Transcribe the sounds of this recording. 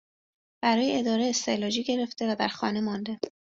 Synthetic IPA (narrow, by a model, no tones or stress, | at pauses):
b̥æɾɒːjeed̪ɒːɾeest̪elɒd͡ʒiːɟe̞ɾe̞ft̪e̞væd̪æɾxɒ̰ːne̞mɒnd̪e̞